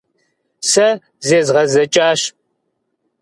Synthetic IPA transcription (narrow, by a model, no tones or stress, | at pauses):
sɐ | zeːzʁɐzɐt͡ʃʼaːɕ